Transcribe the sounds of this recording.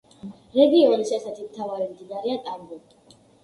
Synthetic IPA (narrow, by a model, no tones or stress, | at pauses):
ɾɛɡiɔnisɛsɛt̪ʰimt̪ʰavaɾɛmd̪inaɾɛat̪ʼaŋɡɔkʼi